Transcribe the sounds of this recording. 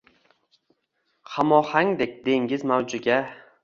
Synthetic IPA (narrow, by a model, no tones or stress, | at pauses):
hamɒhaŋd̪ek̚ʲd̪e̞ŋɡʲɪzmawd͡ʒʊɡʲa